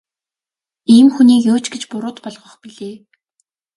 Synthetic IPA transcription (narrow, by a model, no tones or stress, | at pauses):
iːmxuniːjoːt͡ɕɡet͡ɕpʊɾʊːt̪pɔɮʁɞ̆χpiɮeː